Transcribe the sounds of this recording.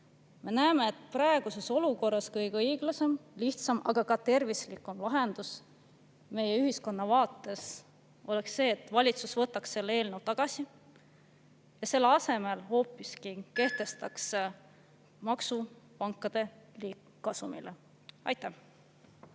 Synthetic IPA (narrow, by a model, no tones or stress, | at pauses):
me̞næeme̞ːt̪ːˑprɑe̞ɡ̥use̞so̞luko̞rːɑskɤjɡɤjɡ̥lɑse̞mliht̪sɑmɑ̰ɡ̥ɑkɑt̪e̞rvislikːˑumlɑɦe̞nd̪̥us | me̞jeyɦisko̞nːɑvɑːt̪ːˑe̞s | ʔo̞leksːe̞ːt̪vɑlʲit̪susvɤt̪ːˑɑksːe̞lːee̞ːlnəwt̪ɑɡ̥ɑsi | jɑse̞lːeɑse̞me̞lho̞ːpːˑiskike̞ht̪e̞st̪ɑks | mɑksupɑŋkˑːɑd̪̥e̞liː | ɑsumḭle | ʔɑ̰jt̪ːæh